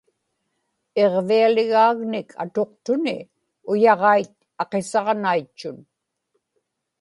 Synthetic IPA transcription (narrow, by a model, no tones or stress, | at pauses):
e̞ʁvialɪɣaːɣnɪkʰa̰t̪o̞q̚t̪ʊnɪ | ʊjɑʁɑjt̪̚ | ɑqe̞sɑʁnajt͡ʃːʊn